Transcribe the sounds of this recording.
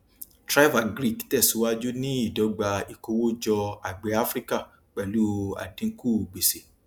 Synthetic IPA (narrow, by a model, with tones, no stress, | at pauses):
tɾa˦i˦va˦˨ɡɾi˦˨ktɛ˦˨su˨˦wa˦d͡ʒu˦nĩ˦i˦˨dɔ˨˦ɡ͡ba˧i˨ko˧˦wo˦d͡ʒɔ˧a˨ɡ͡be˨˦a˦fɾi˦ka˦˨ | k͡pɛ˨lu˨˦a̰˨dĩ˨˦ku˦˨ɡ͡be˨se˨˦